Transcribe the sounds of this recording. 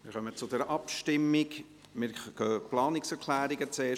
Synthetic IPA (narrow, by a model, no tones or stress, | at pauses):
mɪɾχœmət͡sʊd̥̪ɛɾʔɑpʃtɪmːɪɡ | mɪɾkʰœːplɑːnɪksɛɾkʰlæːɾiɡət͡seː